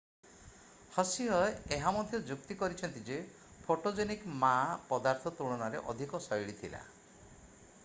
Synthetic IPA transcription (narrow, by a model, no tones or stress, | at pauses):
hɔsiɦɔeɦamɔd̪ʱjɔd͡ʒukt̪ikɔɾit͡ʃʰɔnt̪id͡ʒe | pʰoʈod͡ʒenikmapɔd̪aɾt̪ʰɔt̪uɭ̃ɔnaɾḛʔɔ̰d̪ʱikɔsɔjɭit̪ʰila̰